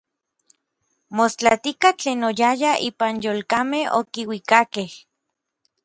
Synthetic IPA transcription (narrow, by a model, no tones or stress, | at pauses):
most͡ɬat̪ikat͡ɬeːnojajaʔiːpanjoːlkameho̰kiwikakeh